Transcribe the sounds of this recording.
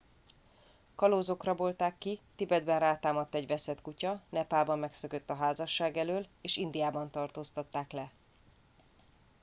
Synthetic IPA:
kɒloːzo̞krɒbo̞lt̪aːkːit̪ibɛd̪bɛnraːt̪aːmɒt̪ːɛɟvɛsɛt̪kucɒnɛpaːlbɒmːɛksøkøt̪ːɒɦaːzɒʃːaːɡɛløːleːʃind̪ijaːbɒnt̪ɒrt̪oːst̪ɒt̪ːaːklɛ

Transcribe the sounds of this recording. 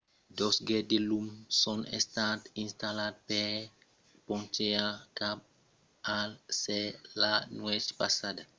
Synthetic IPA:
d̪ɔsɡɛdelumsɔ̃nḛst̪at̪ĩnst̪alad̪̚pɛ | pɔ̃nt͡ʃeakap̚ | alsɛlanwɛt͡ʃpasada

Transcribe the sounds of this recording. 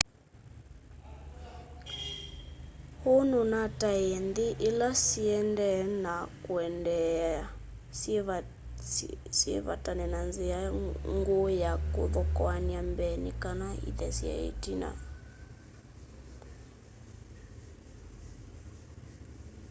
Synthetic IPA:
hununataɛnd̪iʔilasiɛndɛnakwɛndɛa | siɛβa̰tanɛnanziaŋɡujakuðɔkɔaniambɛnḭkanaḭðɛ̰sia̰ḭtina̰

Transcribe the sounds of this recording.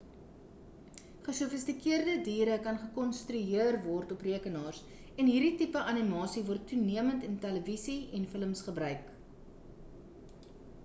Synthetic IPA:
χəsufəstikiərdədiːɾəkɐnχəkɔnstɾyɦiərvɔrtɔpriəkənɑːrs | ɛnɦiːɾditipəʔɐnimɑːsivɔrtʰːuniəməntəntæləvisiɛnfələmsχəbrœɥk

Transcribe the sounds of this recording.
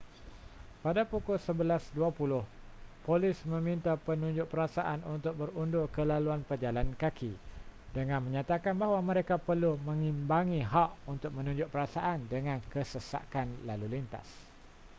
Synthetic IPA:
padapukʊlsəbəlasduapulʊh | polɪsmə̃mĩnt̪apənũɲd͡ʒʊʔ̚pəɾasaʔanunt̪ʊk̚bəɾundʊkəlaluanpəd͡ʒalankakʰidəŋãnmə̃ɲat̪akanbaɦwamə̃ɾekapərlumə̃ŋĩmbaŋĩɦaʔunt̪ʊk̚mə̃nũɲd͡ʒʊʔ̚pəɾasaʔandəŋãnkəsəsa̰kanlalulint̪a̰s

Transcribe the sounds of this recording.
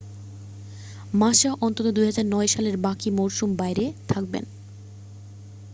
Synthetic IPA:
maʃaʔɔnt̪ot̪od̪ujɦad͡ʑaɾnɔeʃaleɾbakimoɾʃumbajɾet̪ʰak̚bḛn

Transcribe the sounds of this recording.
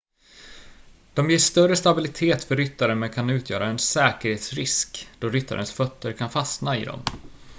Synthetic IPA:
d̪̥ɔmjeːʂt̪œrəst̪abɪlɪt̪ʰeːt̪fœɾːʏt̪ːaɾənmɛnkʰanʉ̟ːt̪ʰjœ̰ːɾaɛnsɛːkəɾheːt̪sɾɪskd̪̥ɔɾʏt̪ːa̰ɾənsfœt̪ʰːəɾkʰanfasnaɪ̰d̪ɔ̰m

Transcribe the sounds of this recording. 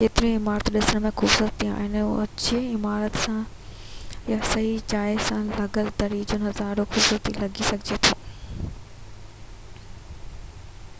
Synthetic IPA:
keːt̪ɪɾĩɪmaːɾət̪ɗɪsəñmẽxʊbsət̪ia̰ːɦɪn̰ɐt͡ɕiɪmaːɾət̪sã | jasɐɦid͡ʑaːɪsãlɐɡəld̪ɐɾiːd͡ʑʊnɦɐzaːɾoxʊbsət̪ilɐɡisɐɡʱɪd͡ʑet̪ʰoː

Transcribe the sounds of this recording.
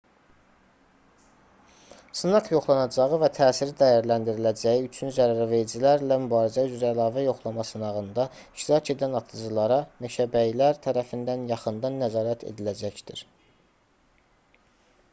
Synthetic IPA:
sɯnɑʁjo̞χlˠɑnɑd͡ʒɑʁɯvæt̪ʰæːsiɾid̪æjæɾlænd̪iɾilæd͡ʒæjiyt͡ʃʰynzæɾæɾæve̞ɾid͡ʒilæɾlæmybɑːɾizæyzɾæːlˠɑːvæjo̞χlˠɑmɑsɯnɑʁɯnd̪ɑ | iʃt̪iɾɑcʰe̞d̪ænɑt̪ʰɯd͡ʒɯlˠɑɾɑmeʃæbæjlæɾt̪ʰæɾæfind̪ænjɑχɯnd̪ɑnːæzɑːɾæt̪ʰḛd̪ilæd͡ʒæçd̪̥iɾ

